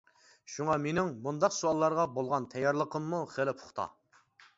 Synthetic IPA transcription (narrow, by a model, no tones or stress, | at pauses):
ʃuŋɑmenɪŋmund̪ɑqsuɑlˠːɑɾʁɑbolˠʁɑnt̪ʰɛjːɑɾlˠəqʰəmːuχelɪpʰʊ̥χt̪ʰɑ̰